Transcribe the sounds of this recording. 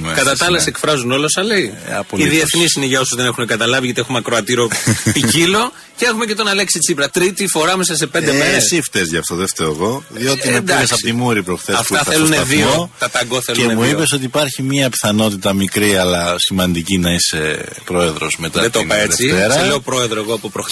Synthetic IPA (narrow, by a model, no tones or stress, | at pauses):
mkɐt̪ɐt̪ɐlɐsekfɾɐzuno̞losɐlejɐ̰poliiðieθnisineʝɐosuzðe̞nexunekɐt̪ɐlɐviʝɐt̪iexumɐkɾoɐt̪iɾo̞picilo̞ | ceexumecet̪onɐleksit͡sipɾɐt̪ɾit̪ifo̞ɾɐmesɐse̞pend̪emeesift̪ezʝɐft̪oðeft̪eɾoɣo̞ðio̞t̪iid̪iesɐpot̪imuɾipɾoxθeɐt̪ɐθeluneðiiot̪ɐt̪ɐɡoθeluemuipe̞s̬o̞t̪iːpɐɾçimiɐpi̥θɐno̞t̪it̪ɐmikɾiɐlɐsimɐnd̪icinɐise̞pɾo̞e̞ðɾo̞̰zmet̪ɐet̪oɐeðt͡seit̪eɾɐeleopɾo̞e̞ðɾoeɣoɐpopɾox